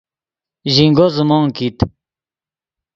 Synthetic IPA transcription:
ʑiŋɡozumɑːŋkit̪

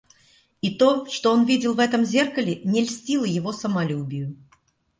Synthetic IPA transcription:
it̪o̞ʂt̪o̞onvʲidʲɪlˠvɛt̪əmzʲe̞rkəlʲɪnʲɪlʲsʲtʲilˠəjɪvo̞səmɐlʲubʲɪjʊ

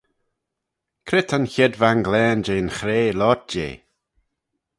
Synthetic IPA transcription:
kʰɾɪt̪ʰənçɛd̪vaŋɡlɛːnd͡ʒeːnxɾeːlɔt̚d͡ʒḛː

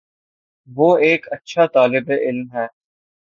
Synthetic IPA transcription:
ʋoːeːkɐtːʃʰat̪aːlɪbeʔɪlmɦɛː

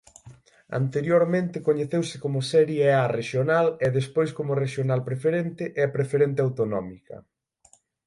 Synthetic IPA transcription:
a̰nt̪eɾjoɾmẽnt̪ɪkoɲeθewsɪkomʊsɛɾjeɛareʃjonaleðespojskomʊreʃjonalpɾefeɾent̪ɪʔɛɐpɾefeɾent̪̬eawt̪onɔ̰mikɐ̰

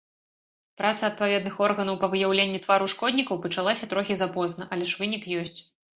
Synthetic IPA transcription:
pɾat̪sɐt̪̚pavʲɛd̪nɨxɔrɣɐnɐwpɐvɨjawlʲenʲːit̪vaɾuʂkɔd̪ʲnʲikɐwpɐt͡ʂalˠasʲɐt̪ɾɔxʲizapɔznɐʔɐlʲɛʂvɨnʲikjɔsʲt͡sʲ

